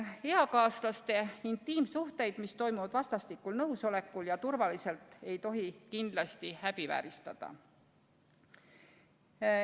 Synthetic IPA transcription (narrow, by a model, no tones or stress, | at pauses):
he̞ɑkɑːslɑst̪e̞int̪ːˑiːmsuht̪e̞jd̪̥mist̪o̞jmuvɑd̪̥vɑst̪ɑst̪ikːulnɤwso̞le̞kːuljɑt̪urvɑlise̞lt̪ːˑe̞jt̪o̞ɦikind̪̥lɑst̪ihæb̥ivæ̰ːɾist̪ɑd̪̥ɑ̰